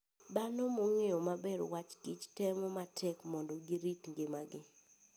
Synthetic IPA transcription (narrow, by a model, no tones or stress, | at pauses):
banomoŋeomabɛɾo̰wat͡ʃkit͡ʃtɛmɔmatʰɛkmɔndɔɡiɾitŋɡɪmaɡɪ